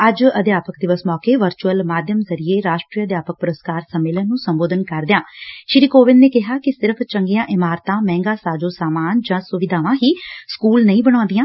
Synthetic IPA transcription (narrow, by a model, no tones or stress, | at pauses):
əd͡ʒəd̪jaːpəkd̪ɪʋəsmɔːkeːʋəɾt͡ʃuəlmaːd̪ʱjəmzəɾieːɾaːʃʈɾiːəd̪jaːpək̚pʊɾəskaːɾsəmːeːlənːũːsəmboːd̪ʱənkəɾd̪ɪjãːʃɪɾiːkoːʋɪnneːkɪɦaːkɪsɪɾəpʰt͡ʃəŋɡejãːʔɪmaːɾt̪ãːmɛ̃ːŋɡaːsaːd͡ʒoːsaːmaːnd͡ʒãːsʊʋɪd̪ʱaːʋãːɦiːskuːlnəĩːbəɽ̃ãːnd̪ɪjãː